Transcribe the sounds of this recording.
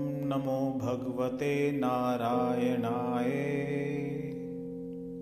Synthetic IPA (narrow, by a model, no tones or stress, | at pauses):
mnɐmõːbʱɐɡʋət̪eːnaːɾaːjəɳaːɦeː